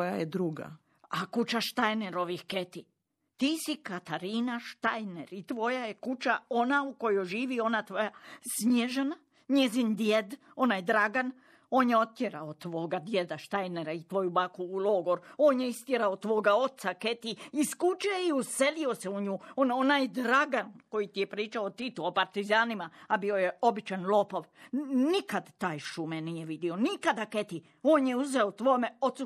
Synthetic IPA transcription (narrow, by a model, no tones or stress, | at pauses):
ojajed̪ɾuɡa̰ | akut͡ʃaʃt̪ajneɾo̞ʋixket̪i | t̪iːsikat̪aɾiːnaʃt̪ajneɾit̪ʋo̞jajekut͡ʃao̞nauko̞jojʒiːʋio̞nat̪ʋo̞jasmjeʒena | ɲezind̪jed̪ | o̞najd̪ɾaɡan | o̞ːnjeo̞t̪ːjeɾaot̪ʋo̞ːɡad̪je̞d̪aʃt̪ajneɾait̪ʋo̞jubakuːloːɡoɾo̞ːnjeist̪jeɾaot̪ʋo̞ːɡao̞t̪saket̪iiskut͡ʃieiuselio̞seuɲuːononajd̪ɾaɡanko̞jit̪ijepɾiːt͡ʃaot̪it̪uopaɾt̪izaːnimaabio̞jeo̞bit͡ʃanlˠo̞ːpo̞ʋnikad̪t̪aːjʃumenijeʋid̪io̞nikad̪aket̪i | o̞ːnjeuzeot̪ʋo̞ːmeo̞t̪su